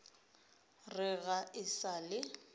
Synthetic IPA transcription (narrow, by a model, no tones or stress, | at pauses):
rɪɣaɪsalɪ